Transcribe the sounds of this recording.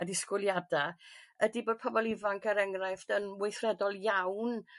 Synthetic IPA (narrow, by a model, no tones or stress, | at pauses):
ədɪskwɪlˠjadaədiboːd̚pʰɔbɔlˠɪvaŋkʰəɾɛŋrajfd̥ənwejθrɛdɔlˠjawn